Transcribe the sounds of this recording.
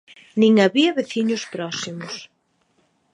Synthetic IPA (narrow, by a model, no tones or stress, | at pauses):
nĩŋaβiɐβeθiɲʊspɾɔsimʊs